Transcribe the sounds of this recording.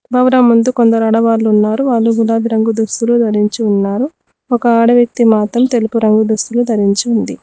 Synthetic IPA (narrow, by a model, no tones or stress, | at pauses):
bʱɐʋɾɐːmːund̪ukond̪ɐɾɐɽɐʋaːlːuunːaːɾuʋaːlːuɡulaːd̪iɾɐŋɡud̪ust̪ulud̪ʱɐɾiɲt͡ʃiunːaːɾu | ɔkɐaːɽɐʋjɐk̚t̪imaːt̪ɾɐmt̪e̞lupuɾɐŋɡud̪ust̪ulud̪ʱɐɾiɲt͡ʃiund̪i